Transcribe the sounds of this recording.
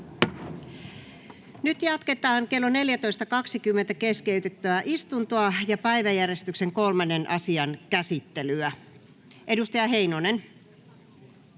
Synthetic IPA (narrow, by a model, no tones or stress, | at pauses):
nyt̪jɑt̪ket̪ɑːŋke̞lːoneljæt̪o̞ist̪ɑkɑksikymːent̪ækeskeyt̪et̪ːææʔist̪unt̪oɑjɑpæiʋæjærjest̪ykseŋkolmɑnːenʔɑ̰siɑnkæsit̪ːelyæ | ʔedust̪ɑjɑɦe̞inonen